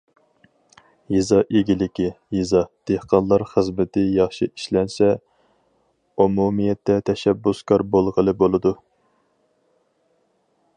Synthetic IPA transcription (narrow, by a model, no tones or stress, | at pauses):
jizɑʔeɡʲilɪkʲi | jizɑd̪̥ehqɑnlˠɑɾχəzmɪt̪ʰɪjɑχʃiiʃlɛnsɛ | umumijɛt̪ːɛt̪ʰɛʃɛbːuskʰɑɾbolˠʁəlˠɨbolˠɨd̪u